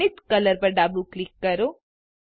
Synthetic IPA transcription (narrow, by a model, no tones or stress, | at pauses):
it̪kələɾpəɾɖabuklikːəɾo